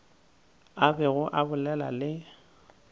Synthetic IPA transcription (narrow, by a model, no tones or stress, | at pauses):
abɛɣʊʔabʊlɛla̰lɪ